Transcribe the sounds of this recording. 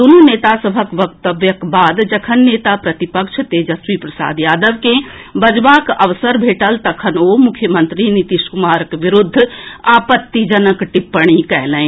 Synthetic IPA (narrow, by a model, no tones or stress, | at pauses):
d̪onuneːt̪asəbʱəkʋək̚t̪əbjəkbaːd̪d͡ʒɐkʰənːeːt̪apɾɐt̪ipəkʃʰt̪ed͡ʒɐswipɾəsa̰ːd̪jaːd̪əʋkẽbəd͡ʒʋakɐʋsəɾbʱeːʈəlt̪ɐkʰənomʊkʰjəmə̃nt̪ɾinit̪iʃkʊmaːɾkʋɪɾʊd̪ʱːaːpət̪ːid͡ʒənəkʈɪpːəɽ̃ikɛɦlə̃ẽ